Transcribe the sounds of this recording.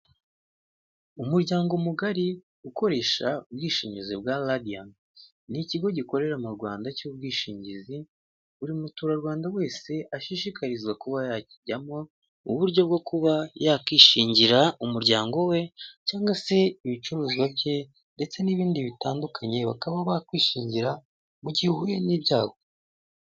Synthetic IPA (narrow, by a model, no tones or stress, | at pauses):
umuɾɟaːŋɡomuɡaɾi | uko̞ɾe̞ːʃaub̚ɡiːʃiːɲɟizibɡaladian | niciɡo̞ɟiko̞ɾe̞ɾamuɾɡwaːndacuːb̚ɡiːʃiːɲɟizi | uɾimutuːɾaɾɡwaːndawe̞ːse̞ʔaʃiʃikaɾizɡwakuβajaciɟamo̞ | ṵβuɾɟo̞bɡo̞kʰuβajakiːʃiːɲɟiɾaumuɾɟaːŋɡo̞we̞caːŋɡwase̞iβit͡ʃuɾuːziwabje̞ | nde̞t͡se̞niβiːndiβitaːndukʰaɲe̞βa̰kaβaβakwiːʃiːɲɟiɾa | muɟihuhujeniβɟaːho̞